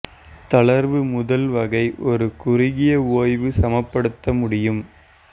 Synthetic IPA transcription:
t̪ɐɭɐɾʋɯmʊðɐlʋɐɣɐɪʔɔɾɯkʊrɪɣɪjɐoːjʋɯsɐmɐpːɐɽɯt̪ːɐmʊɽɪjɯm

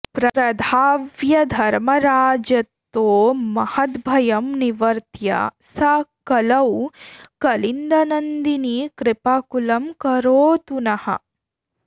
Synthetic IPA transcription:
pɾɐɾɐd̪ʱaːʋjɐd̪ʱɐɾmɐɾaːd͡ʒjɐt̪ːoːmɐhɐt̪bʱɐjɐmniʋɐɾt̪jɐ̰sɐkɐlɐwkɐlind̪ɐnɐnd̪iniːkɾɪpakulɐmkɐɾoːt̪unɐhɐ̰

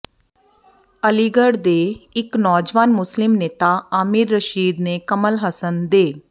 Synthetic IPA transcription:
əliːɡəɽd̪eːɪknɔːd͡ʒʋaːnmʊslɪmneːt̪aːaːmɪɾːəʃiːd̪neːkəməlɦəsənd̪eː

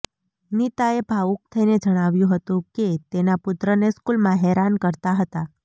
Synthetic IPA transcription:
nit̪aebʱauk̚t̪ʰəined͡ʒəɽ̃aʋjũɦət̪ũket̪enapʊt̪ɾəneskulmãɦɛɾankəɾt̪aɦət̪a

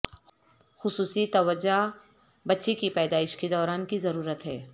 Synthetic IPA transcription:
xʊsuːsit̪ɐʋəd͡ʒa | bɐtːʃekipɛːd̪aːɪʃked̪ɔːɾaːnkizɐɾuːɾət̪ɦɛː

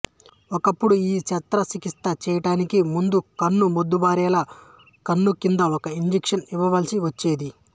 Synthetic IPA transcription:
ɔkɐpːuɽuiːt͡ʃɐt̪ɾɐsikist̪ɐt͡ʃɛːjɐʈaːnikimund̪ukɐnːumod̪ːubaːɾɛːla | kɐnːukind̪ɐɔkɐiɲd͡ʒikʂɐniʋɐʋɐːlisiʋɐt͡ʃːeːd̪i

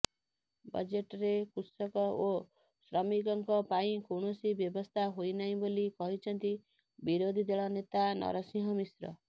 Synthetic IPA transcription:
bʌ̰d͡zeʈɾekusʌkɔo | srʌmikʌŋkɔpaĩkoɽosibjʌbʌst̪ʰaɦojnaj̃bolikʌɦit͡sʰʌnt̪i | biɾod̪ʱid̪eɭʌnet̪anʌ̰ɾʌsĩɦʌmisrʌ̰

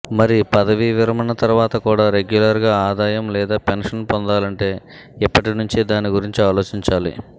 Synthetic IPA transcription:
mɐɾipɐd̪ɐʋiʋiɾɐmɐnɐt̪ɐɾuʋaːt̪ɐkuːɽaːɾe̞ɡjulɐɾɡaːaːd̪aːjɐmlɛːd̪aːpenʂɐnpond̪aːlɐɳʈe̞ː | ɛpːɐʈinuɲt͡ʃid̪aːniɡuɾiɲt͡ʃiaːlo̞ːt͡ʃiɲt͡ʃaːlḭ

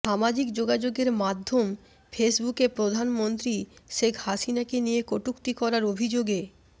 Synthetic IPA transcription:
ʃamad͡ʑikd͡ʑoɡad͡ʑoɡeɾmad̪ʱːom | fʰesbukepɾod̪ʱanmont̪ɾiʃekʰhaʃinakenijekoʈukt̪ikɔɾaɾobʱid͡ʑoɡe

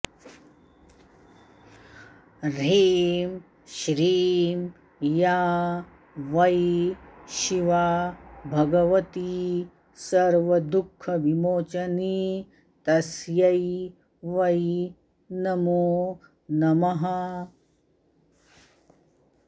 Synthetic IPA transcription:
ɾeːm | ʃɾiːm | jaː | ʋɐj | ʃiʋaːbʱɐɡɐʋɐt̪i | sɐɾʋɐd̪ukʰːɐʋimoːt͡ʃɐniː | t̪ɐsjɐj | ʋɐj | nɐmoː | nɐmɐɦɐ

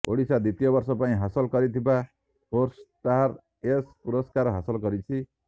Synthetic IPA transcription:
o̰ɽisad̪it̪ijobʌrsɔpaĩɦasɔlkʌɾit̪ʰiba | pʰorst̪aɾ | espuɾɔskaɾɦasʌlkʌɾit͡sʰi

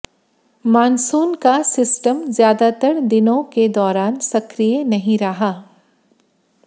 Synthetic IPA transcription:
maːnsuːnkasɪsʈəmzjaːd̪at̪əɾd̪ɪnõked̪ɔːɾaːnsɐkɾijənɐɦĩɾɐɦaː

